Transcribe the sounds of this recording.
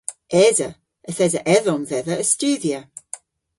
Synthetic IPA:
ʔɛzə | əθɛzəʔɛðɔnvɛðəəstʉːðjə

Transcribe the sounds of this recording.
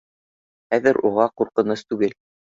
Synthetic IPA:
χæðɘɾʔuʁɑquɾqɤ̆nɤst̪ʉɡɘl

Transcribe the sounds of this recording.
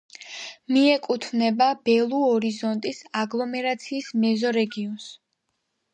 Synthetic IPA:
miɛkʼut̪ʰvnɛbab̥ɛlˠuɔɾizɔnt̪ʼisaɡlˠɔmɛɾat̪sʰiːsmɛzɔɾɛɡiɔns

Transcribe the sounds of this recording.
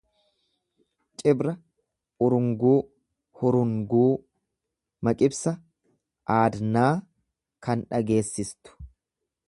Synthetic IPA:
t͡ʃʼɪbɾɐ | ʊɾʊŋɡuː | hʊɾʊŋɡuː | mɐkʼɪbsɐ | ʔaːd̪naː | kɐnᶑɐɡe̞ːsːɪst̪ʊ̥

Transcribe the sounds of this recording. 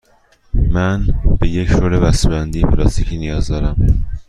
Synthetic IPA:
mænbeje̞cʃoɾebæsebænd̪ijepʰelɒ̰st̪icʰiːnijɒːzd̪ɒːɾæm

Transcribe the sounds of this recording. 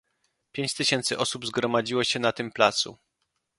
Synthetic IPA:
pʲjeɲt͡ɕt̪ɘɕɛnt̪sɘʔɔsubzɡɾɔmad͡ʑiwɔɕɛnat̪ɘmplat̪sṵ

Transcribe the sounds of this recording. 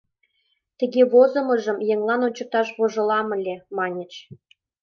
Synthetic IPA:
t̪ə̆ɣʲeβozɤ̆mɤ̆ʒə̆mjeŋlˠɑnonʲt͡ɕə̆k̚t̪ɑʃβoʒɤ̆lɑmə̆lʲemɑnʲə̆t͡ɕ

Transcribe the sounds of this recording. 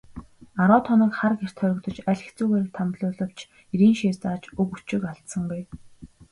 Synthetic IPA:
aɾʊːt̪ʰɔnə̆kχarɡer̥t̪ʰœɾʲɪ̆kt̪ɞ̆t͡ɕæɮʲɪ̆xt͡suːɣeːɾ̆k̚t̪ʰamt̪ɮʊːɮɞ̆w̥t͡ɕ | iɾiːnʃeːrt͡saːt͡ɕɵɣut͡ɕɪ̆kaɬt̪sə̆ŋɡuj

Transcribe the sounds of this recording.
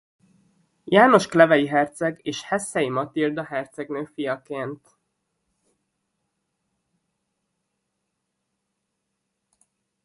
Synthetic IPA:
jaːno̞ʃklɛvɛjiɦɛrt̪sɛɡeːʃhɛsːɛjimɒt̪ird̪ɒɦɛrt̪sɛɡnøːfijɒkeːnt̪

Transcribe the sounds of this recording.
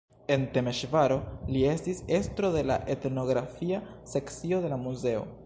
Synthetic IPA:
e̞nte̞me̞ʃvaɾo̞lie̞stise̞stɾo̞de̞la̰ʔe̞tno̞ɡɾafiase̞kt͡sio̞de̞lamuze̞o̞̰

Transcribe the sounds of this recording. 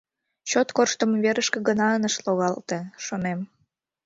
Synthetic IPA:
t͡ɕot̪korʃt̪əmβeɾəʃkəɡənɑənəʃloɣɑlt̪eʃonem

